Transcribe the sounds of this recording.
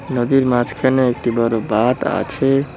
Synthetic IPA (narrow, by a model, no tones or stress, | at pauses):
nəd̪iɾmat͡ʃkʰeneek̚t̪ibəɾobat̪a̰t͡ʃʰe